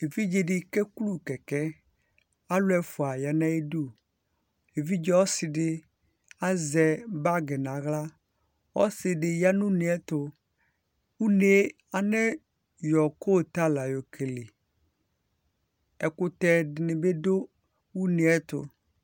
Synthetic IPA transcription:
e˨vi˦d͡ʒe˨dɪ˨kɛ˦ku˦lu˦˨kɛ˨kɛ˦ | a˦lʊ˦ɛ˦fʊ˨a˨ja˨nã˦e˦du˦ | e˨vi˦d͡ʒɛ˦wɔ˦sɪ˨dɪ˦ | a˦zɛ˨ba˦ɡɛ˨nã˨ɣla˦ | wɔ˦sɪ˨dɪ˨ja˦nʊ̃˦nɪ˨ɛ˦t̪ʊ˨ | u˦ne˨˦ | a˨nɛ˦ | jɔ˨ko˦˨t̪a˦la˨jo˨kʰe˨lɪ˨ | ɛ˨kʊ˦t̪ɛ˨dɪ˨nɪ̃˨be˦do˦ | wu˦nɪ˨ɛ˦t̪ʊ̰˨

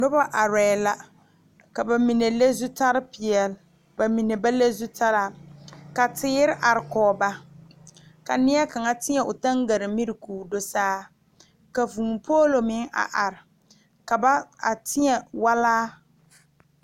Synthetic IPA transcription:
nʊ˦ba˦ʔa˨ɾɛː˨la˨ | ka˨ba˨mi˨ne˨le˦zu˦ta˦ɾɪ˦pɪ˨ɛ˨l | ba˨mi˨ne˨ba˦le˦zu˦ta˦ɾa˦˨ka˨tɪː˦ɾɪ˦ʔa˨ɾɪ˨kɔː˨ba˦ | ka˨nɪ˦ɛ˦ka˨ŋa˦tɪ˦ɲɛ˨ʊ˨ta˦ŋɡa˨ɾɪ˨mi˦ɾɪ˨kuː˨do˦saː˦ | ka˨vuː˨mpʰoː˦lo˨mɪ˦ŋa̰˨ʔa˨ɾɪ˨ | ka˨ba˦a˨tʰɪ˦ɲɛ˨wa˦laː˦

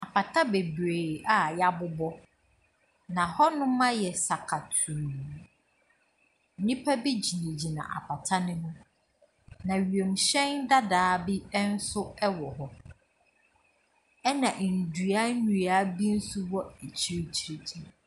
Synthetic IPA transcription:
a˨pʰa˨tʰa˦be˨bɾe˨a˨ja˦bʊ˦bɔ˦ | nã˨hɔ˦nʊ̃˦mã˦jɛ˨sa˨kʰa˨tʰu˨ | n̩˨nĩ˦pʰa˦bi˦d͡ʑi˨nĩ˨d͡ʑi˨nã̰˨ʔa̰˨pʰa˨tʰa˦nɪ̃˦nʊ̃˦ | nã˨ɥɥe˨m˨ɕɛ̃˦nda˦daː˨˦bi˦n̩˦sʊ˦ɛ˦wɔ˨hɔ˦ | ɛ˦nã˨ʔn̩˨du˨a˦ɲu˨a˨˦bi˦n̩˦su˦wɔ˦e˨t͡ɕʰi˦ɾi˦t͡ɕʰi˨ɾi˦tʰi˨ɾ

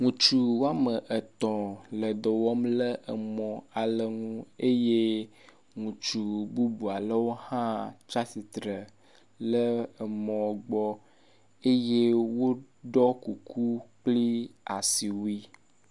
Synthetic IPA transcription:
ŋũ˨t͡ʃu˨wo˦a˦mə˨ʔə˨t̪ɔ̃˨lə˨d̪ɔ˨wɔ˦mlə˦ʔə˨mɔ̃˨a˨lə˨ŋũ˦e˦je˦ | ŋũ˨t͡ʃu˨bu˦bu˨a˨lə˦wo˦hã˦t͡ʃa˦si˨t̪ɾə˨ | lə˦˨mɔ̃˨ɡ͡bɔ˦ | e˦je˦wo˦ | ɖɔ˦ku˨kʰu˦k͡pli˦a˨si˨wi˦

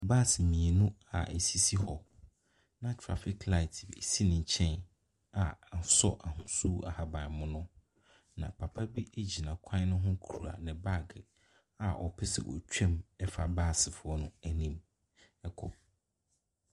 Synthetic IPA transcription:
ba˦˨sɪ˨mĩ˨e˨nũ˦a̰˨n̩˨si˦si˦hɔ˨ | nã˦tʰɾa̰˦fɪ˨kla˦ɪ˨tʰɪ˨si˦nɪ̃˨ɲ̩˨t͡ɕʰɛ̃˦n | a˨n̩˨sɔ̰˦ʔa˨hʊ̃˨su˦a̰˨ha˨bã˨mʊ̃˦nʊ̃˦ | nã̰˨pʰa˨pʰa˦bi˦ʔæ˦d͡ʑi˨nã˨kʷʰã˦nʊ̃˦ɦʊ̃˦kʰu˨ɾu˨a̰˨nɪ̃˨ba˦˨ɡɪ˨ | a˨ʔɔ˨pʰɪ˦sɪ̰˨wʔɔ̰˨t͡ɕᶣɛ̃˦˨mɛ˦fa˨baː˦˨sɪ˨fʊ˨ɔ˦nʊ̃˦æ˨nĩ˦m | ɛ˦kʰɔ̰˨

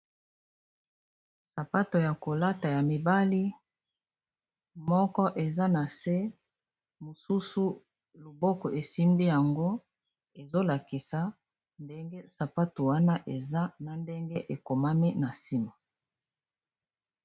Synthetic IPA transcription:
sa˨pa˦to˨ja˨ko˨la˦ta˨ja˨mi˨ba˦li˦ | mɔ˦kɔ˦ʔe˨za˦na˨se˦ | mo˨su˦su˦ | lo˨bɔ˦kɔ˨ʔe˨si˦mbi˦ja˨ŋɡo˦ | e˨zo˦la˨ki˨sa˨ | nde˦ŋɡe˦sa˨pa˦to˨wa˦na˦ʔe˨za˦na˨nde˦ŋɡe˦ʔe˨ko˨ma˦mi˦na˨si˦ma˨

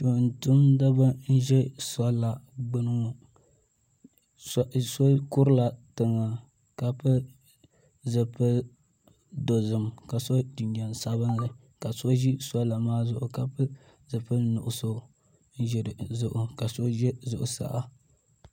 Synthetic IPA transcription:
to˨n˨tu˦mda˦ba˦n̩˦ʒɛ˦sa˦la˨ɡ͡bɨ˦nɨ˦ŋ˨˦ | so˦kʊ˦ɾɨ˦la˨tɨ˨ŋa˨ | ka˦pɨ˦ | zɨ˨pɨ˦ | do˨zɨ˨mka˨so˦di˨nda˨nsa˦βɨ˦nlɨ˨ | ka˨so˦ʒi˦sa˦la˨maː˦zʊ˦˨ʔʊ˨ka˦pɨ˦ | zɨ˨pɨ˦nʊ˨ʔʊ˨so˦ | n̩˦ʒɛ˨ɾɨ˨zʊ˦ʔʊ˨ka˨so˦ʒɛ˦zʊ˨ʔʊ˨sa̰˨ʔa˨

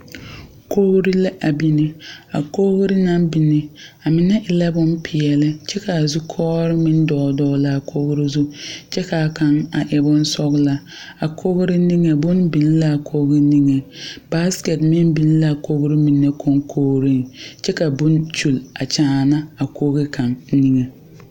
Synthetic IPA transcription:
kʰo˦ɣɾi˦la˦ʔa˨bi˦nɪ˦a̰˨ko˦ɣɾɪ˦na˦mbi˨nɪ˦a˨mɪ˨nɛ˦ʔɪ˨la˦bʊ˦n˦pʰɪ˨ɛ˨lɪ˦t͡ʃɛ˦ka˨zu˦kʰɔː˦ɾɪ˦mɪ˦n˦dɔː˨dɔ˦˨la˦˨kʰoː˦ɣɾi˦zu˦t͡ʃɛ˦ka˨ka˨ŋa˨ʔɪ˨bʊ˦n˦sɔ˦ɣla˦ | a˨kʰo˦ɣɾɪ˦ni˦ŋe˨bʊ˦nbi˨n˦la˦˨kʰo˦ɡɪ˦ni˦ŋe˨ba˦skɛ˨tmɪ˦nbi˨n˦la˦˨ko˦ɣɾɪ˦mi˨nːe˦kʰo˦ŋkʰoː˦ɾi˦ŋt͡ʃɛ˦ka˨bʊ˦nt͡ʃu˨la̰˨t͡ʃaː˨˦˨na˦a˨ko˦ɡe˦kʰa˨ŋ˦ni˦ŋe˨

